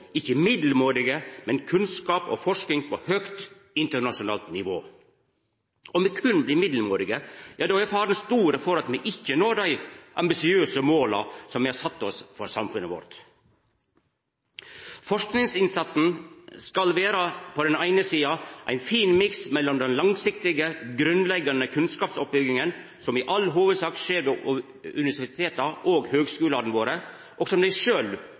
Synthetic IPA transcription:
ɪçəmɪd̪l̩moːɾɪɡəmɛnkʰʉnskɑːpɔ̰fɔʂknɪŋpʰɔhøkt̪ | ɪnt̪əɳɑʂʊnɑ̰ːlt̪nɪʋoː | ʔɔmʋɛkʰʉnbliːmɪd̪l̩moːɾɪɡəjɑːd̪ɛɛfhɑːɾɛnst̪uːɾəfɔɾɑt̪mɛʔɪçːənoːd̪æɪʔɑ̰mbɪsɪøːsəmoːlɑ̰sɔmʋɪhɑɾsɑt̪ːɔsfɔɾsɑmfʉnəʋɔ̰ɾt̪ | fɔʂknɪŋsɪnsɑt̪sn̩skɑlʋeːɾɑpʰɔd̪ɛnæɪnəsiːɑʔæ̰ɪnfiːnmɪksmɛlːɔmd̪ɛnlɑŋsɪkt̪ɪɡəɡɾʉnlɛɡːɑnəkʰʉnskɑːpsɔp̚bʏɡɪŋən | sɔmɪʔɑlːɦoːʋəd̪sɑːkʂeːɾʋɛ | ʉnɪʋæsɪɪt̪ʰeːt̪ɑʔoːɡhøːɡskʉːlɑɾn̩ʋoːɾə | ʔɔɡsɔmd̪æɪʂøːl

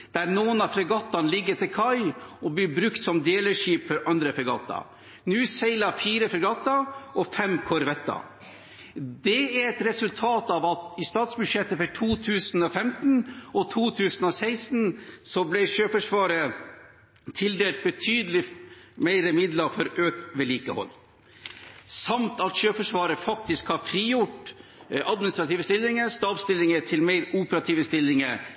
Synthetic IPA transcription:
d̪̥æɾnoːənɑfɾɑɡɑt̪ːɑnlɪɡːəɾt̪ʰɪlkʰɑɪɔblibɾʉkt̪sɔmd̪eːləʂiːpfɔɾʔɑnd̪ɾəfɛɡɑ̰ːt̪ɑ̰ | nʉːsæɪlɑfiːɾəfɾɛɡɑːt̪ɑɔfɛmkʰɔɾʋɛt̪ːɑ̰ | d̪ɛæɾɛt̪ɾɛsʉlt̪ʰɑːt̪ɑʋɑt̪ɪst̪ɑːt̪sbʉd̪ʂɛt̪ːəfəʈʰuːt̪ʰʉːsn̩ɔfɛmt̪n̩ɔt̪ʰuːt̪ʰʉːsn̩ɔsæɪst̪n̩sɔblæɪʃøːfəʂʋɑːɾə | t̪ʰɪld̪eːlt̪̚bət̪ʰyːd̪əlɪmæɪɾəmɪd̪ləfɔɾøːkʋɛliːkəhɔ̰lː | sɑmt̪ɑt̪ʃøːfəʂʋɑːɾəfɑk̚t̪ɪskhɑfɾiːjʊʈ | ʔɑd̪mɪnɪst̪ɾɑt̪iːʋəst̪ɪlːɪŋəst̪ɑːʋst̪ɪlːɪŋət̪ʰɪlmæɪɾuːpəɾɑt̪ʰiːʋəst̪ɪlːɪŋəɾ

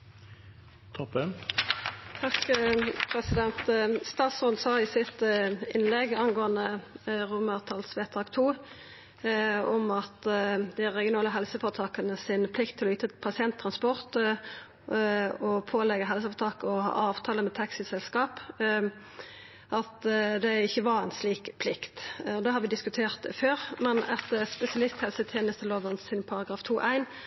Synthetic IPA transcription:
t̪ʰɔpɛn | t̪ʰɑkːpʰɾɛsɪd̪ɛnt̪st̪ɑːt̪sɔnsɑːɪsɪt̪ɪ̰nlɛɡɑnɡoːɑnəʁʊməʁt̪ʰɑːlsʋeːt̪ʰɑːkt̪ʰuː | ɔmɑt̪d̪ɪæʁɛɡɪʊnɑːləɦɛlsəfɔʁt̪ʰɑːkənəsɪnpʰlɪkt̪ʰːɪlɔyːt̪əpʰɑsɪɛnt̪ʰːʁɑnspɔʁt̪ | ɔpʰoːlɛɡəɦɛls̬əɑʋt̪ʰɑːkəɔhɑ̰ːʔɑːʋt̪ʰɑːləmɛt̪ʰɑksɪsɛlskɑːp | ʔɑt̪d̪æɪçːəʋɑɾæɪnsliːkpʰlɪkt̪ɔd̪ɛhɑʁʋɪd̪ɪskʉt̪ʰeːʁt̪føːʁmɛnɛt̪spɛsɪɑlɪst̪hɛlsət̪ʰjeːnəst̪ʰəloːʋənsɪnpʰɑʁɑɡɾɑːft̪ʰuːʔæɪn

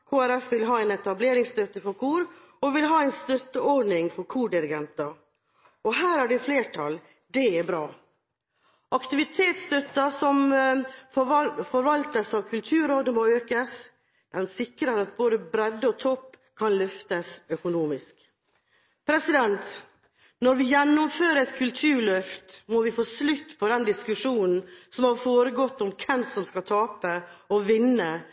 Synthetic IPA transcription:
kʰoːæɾɛfʋɪlɦɑːɛɪnɛt̪ɑbleːɾɪŋst̪œt̪ːəfɔɾkʰuːɾ | ɔʋɪlɦɑːɛɪnst̪œt̪ːəɔɖnɪŋfɔɾkʰuːɖɪɾɪɡɛnt̪ɑ | ɔɦæːɾhæɖɛfleːʈʰɑ̰l | d̪ɛɛbɾɑː | ʔɑkt̪ɪʋɪt̪ʰeːt̪st̪œt̪ːɑsɔm | fɔɾʋɑlt̪əsɑʋkʰʉlt̪ʰʉːɾoːd̪əmoøːkəs | d̪ɛnsɪkɾəɾɑt̪̚boːd̪əbɾɛd̪ːəɔt̪ʰɔpː | kʰɑnlœft̪əsœkʊnuːmɪsk | pʰɾɛsɪd̪ɛnt̪ | nɔɾʋɪjɛnːʊmføːɾəɛt̪kʰʉlt̪ʰʉːɾɭœft̪mɔʋɪfoːslʉt̪ːpʰɔd̪ɛnd̪ɪskʉʂuːnn̩sɔmhɑɾfoːɾəɡɔt̪ːɔmkʰɛmsɔmskɑt̪ʰɑːpəɔʋɪnːə

